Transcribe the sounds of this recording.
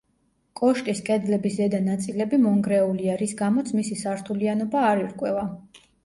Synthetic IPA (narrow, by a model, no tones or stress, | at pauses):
kʼɔʃt̪ʼiskʼɛd̪lɛbisd̪ɛd̪anat̪sʼilɛbimɔŋɡɾɛuliaɾisɡamɔt̪sʰmisisaɾt̪ʰulianɔbaːɾiɾkʼwɛva